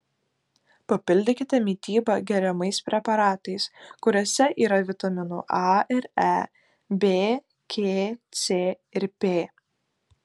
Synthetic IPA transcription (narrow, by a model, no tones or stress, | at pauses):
pɐpʲɪlʲd̪ʲɪkʲɪt̪ʲɛmʲiːt̪ʲiːbɐɡʲɛɾʲɛmɐɪspʲɾʲɛpɐɾɑːt̪ɐɪskʊɾʲoːsʲɛʔiːɾɐʋʲɪt̪ɐmʲɪnʊ̰ʔɑɪɾæ | bʲeː | kʲʰeːt̪sʲeː | ɪɾpʲeː